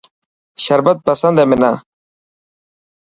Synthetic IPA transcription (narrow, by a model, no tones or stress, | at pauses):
ɕɐɾbɐt̪̚pɐsɐnd̪emina